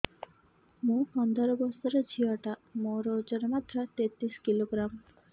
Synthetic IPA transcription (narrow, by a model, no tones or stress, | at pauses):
mũpɔnd̪ʱɔɾɔbɔsɔɾed͡ʒʰiɔʈamoɾod͡ʒɔɾemat̪ɾat̪et̪ɾiskiloɡɾam